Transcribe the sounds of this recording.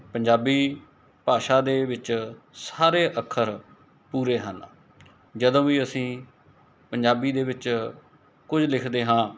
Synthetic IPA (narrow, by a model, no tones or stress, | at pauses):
pəɲd͡ʒaːbiː | paːʃaːd̪eːʋɪt͡ʃ | saːɾeːʔəkʰːəɾ | puːɾeːɦə̰n | d͡ʒəd̪õːʋiːəsĩː | pəɲd͡ʒaːbiːd̪eːʋɪt͡ʃ | kʊd͡ʒlɪkʰd̪eːɦãː